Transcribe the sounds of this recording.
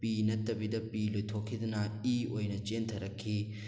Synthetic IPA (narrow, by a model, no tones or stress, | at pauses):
pinɐtːɐbidɐpilojtʰokʰːidɐnɐiojnɐt͡ʃentʰɐɾɐkʰːi